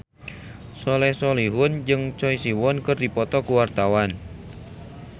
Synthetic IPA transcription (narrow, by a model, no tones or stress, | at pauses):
sɔlɛhsɔliɦʊnd͡ʒɨŋt͡ʃɔisiwɔnkɨrdipɔt̪ɔkuwart̪awan